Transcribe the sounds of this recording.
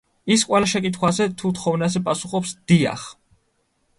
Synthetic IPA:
iskʼwɛlaʃɛkʼit̪ʰχwazɛt̪ʰut̪χɔvnazɛpʼasuχɔpsd̪̥ia̰χ

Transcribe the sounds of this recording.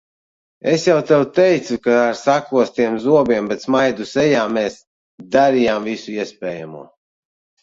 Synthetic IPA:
esjawt̪ɛwt̪ɛjt̪sukaaɾsakuɔst̪iɛmzuɔbʲiɛmbɛt̪smajd̪usɛjaːmɛːs | d̪aɾijaːmvisuiɛspɛːja̰mṵɔ

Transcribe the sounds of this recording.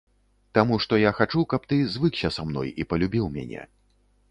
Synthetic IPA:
t̪amuʂt̪ɔjaxat͡ʂukɐp̚t̪ɨzvɨksʲɐsamn̪ɔ̰jipɐlʲubʲiwmʲa̰nʲɛ̰

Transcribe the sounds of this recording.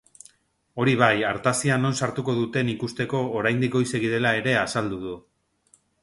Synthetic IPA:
o̞ɾiβ̞ajaɾt̪asiano̞nsaɾt̪uko̞ðut̪e̞nikust̪e̞ko̞ːɾajnd̪iko̞jse̞ɣiðe̞lae̞ɾe̞asald̪uð̞u

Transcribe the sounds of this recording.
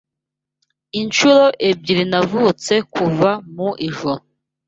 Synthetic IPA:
iɲt͡ʃuɾo̞ʔeb̚ɟiɾinavut͡se̞kuvamuʔiʒoɾo

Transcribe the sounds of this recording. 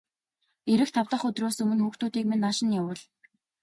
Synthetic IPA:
eɾɘ̆xt̪ʰawt̪ə̆χɵt̪roːsɵmɵ̆nxuːxt̪uːt̪iːkmenːaʃɪ̆njawə̆ɮ

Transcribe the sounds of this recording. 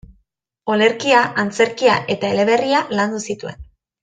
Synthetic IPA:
o̞le̞ɾkiaʔant͡se̞ɾkia̰ʔe̞t̪ae̞le̞βe̞rialand̪usit̪ue̞n

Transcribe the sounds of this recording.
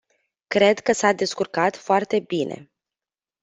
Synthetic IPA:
kɾe̞d̪kəsad̪e̞skurkat̪foart̪e̞bine̞̰

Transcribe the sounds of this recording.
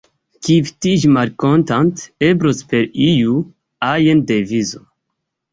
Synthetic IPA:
kift̪id͡ʒmaɾkont̪ant̪ebɾospeɾiju | ajend̪evizo

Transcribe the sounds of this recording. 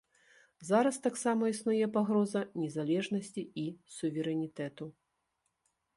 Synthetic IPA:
zaɾɐst̪aksamɐisnujɛpaɣɾɔzɐnʲɛzalʲɛʐnɐsʲt͡sʲiisuvʲɛɾɛnʲit̪ɛt̪u

